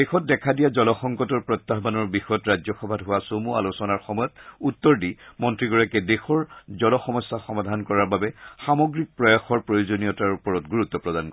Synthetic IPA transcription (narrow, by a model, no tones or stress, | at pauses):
dexɔt̚dɛkʰadijazɔlɔxɔŋkɔtɔɹpɹɔt̪ːaɦbanɔɹbixɔjɔtɹaɔxɔbʱadɦʊwasomua̰losɔnaɹxɔmɔjɔtutːɔɹdimɔntɹiɡɔɹakɛdexɔɹzɔlɔxɔmɔsːaxɔmadʱankɔɹaɹbabɛxamɔɡɹik̚pɹɔjaxɔɹpɹojozonijɔtaɹupɔɹɔtɡuɹutːɔpɹɔdankɔ